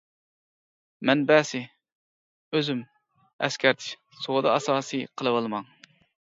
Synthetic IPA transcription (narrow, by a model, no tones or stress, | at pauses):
mɛnbɛːsɪ | øzym | ɛ̰skʲʰɛɾt̪ʰɪ̥ʃ | sod̪ɑɑsɑːsɨqʰəlˠɨwɑlˠɨmɑŋ